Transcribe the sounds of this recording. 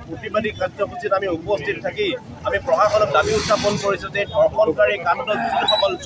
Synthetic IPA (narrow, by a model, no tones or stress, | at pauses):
opibadikaɡd͡ʒɔkʰusitamiupɔstʰit̚tʰaki | amipɹɔxaxɔnɔk̚damiutʰːapɔnkoɹisʊtedʱɔɹxɔnkaɹikantɔbisɔxɔkɔl